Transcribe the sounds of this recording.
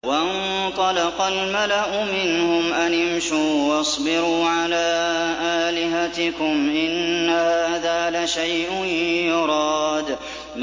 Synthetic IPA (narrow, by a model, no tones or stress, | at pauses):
waʔɪn | t̪ˤɑlɑqɑlmalaʔʊmɪnhʊmʔanɪmʃuːwɑsˤbɪɾuːʕalaːʔaːlɪɦat̪ɪkʊmʔɪnːahaːðaːlaʃajʔʊnjʊɾˤɑːd̪ | m